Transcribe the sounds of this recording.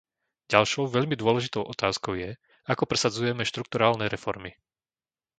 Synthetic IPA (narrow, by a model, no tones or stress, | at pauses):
ɟalʃɔʊʋɛʎmid̪ʊɔlɛʒit̪ɔʊʔɔt̪aːskɔʊjɛ | akɔpɾɛsad͡zujɛmɛʃt̪ɾuk̚t̪uɾaːlnɛɾɛfɔɾmi